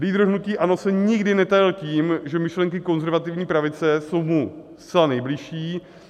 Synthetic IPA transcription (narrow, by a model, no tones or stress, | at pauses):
liːd̪ɾoɦnuciːʔano̞sɛɲɪɡdɪnɛt̪ajɪlciːmʒɛmɪʃlɛŋkɪko̞nzɛɾvat̪ɪvɲiːpɾavɪt͡sɛso̞wmust̪t͡sɛlanɛjblɪʃiː